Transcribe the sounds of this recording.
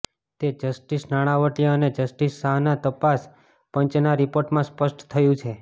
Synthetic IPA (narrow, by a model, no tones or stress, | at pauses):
t̪ed͡ʒəsʈisnaɽ̃aʋəʈjəned͡ʒəsʈisːaɦnat̪əpas | pənt͡ʃnaɾipoɾʈmãspəʃʈt̪ʰəjũt͡ʃʰe